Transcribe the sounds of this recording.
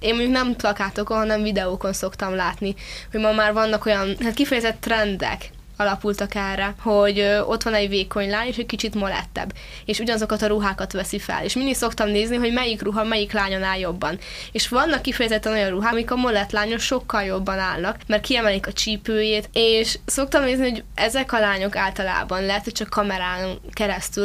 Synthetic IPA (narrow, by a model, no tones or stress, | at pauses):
eːnmːoɲɟuknɛmplɒkaːt̪okonɦɒnɛɱvid̪ɛoko̞nso̞kt̪ɒmlaːt̪niho̞ɟmɒmaːrvɒnːɒko̞jɒnɦaːt̪kifɛjɛzɛt̪ːrɛnd̪ɛ̰k | ɒlɒpult̪ɒkɛrɛho̞ɟo̞t̪ʋɒnɛɟveːko̞ɲlaːɲeːʃɛckit͡ʃit̪molɛ̰t̪ːɛ̰b | eːʃuɟɒnɒzo̞kɒt̪ɒɾuɦaːkɒt̪ʋɛsifɛ̰lḛːʃmind̪ik̪so̞kt̪ɒmneːzniɦo̞ɟmɛjikruɦɒmɛjiklaːɲonaːljo̞bːɒn | eːʃʋɒnːɒkːifɛjɛzɛt̪ːɛno̞jɒnruɦaːmikɒmo̞lɛt̪laːɲoʃo̞kːɒljo̞bːɒnaːlnɒkmɛrkiɛmɛlikɒt͡ʃiːpøːjeːt̪eːʃso̞kt̪ɒmneːzniho̞ɟɛzɛkɒlaːɲo̞kaːlt̪ɒla̰ːbɒnlɛɦɛt̪hoct͡ʃɒkʰːɒmɛɾaːŋkɛɾɛst̪yl